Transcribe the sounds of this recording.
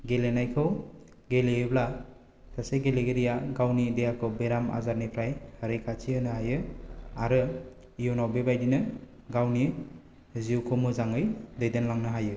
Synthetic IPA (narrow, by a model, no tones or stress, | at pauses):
ɡelenajkʰɯw | ɡelejebla | saseɡeleɡeɾijaɡawnidejakʰɯwbeɾama̰zaɾnipʰɾajhaɾejkʰat͡ʃʰiɯnɯhajɯaɾɯ | ijownawbebajdinɯ | ɡawni | ziuwkʰomɯzaŋɯjdɯjdenlaŋnɯɦajɯ